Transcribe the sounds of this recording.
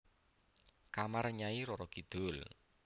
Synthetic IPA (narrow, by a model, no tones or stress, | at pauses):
kamarɲaiɾɔɾɔɡ̥id̪̥ʊl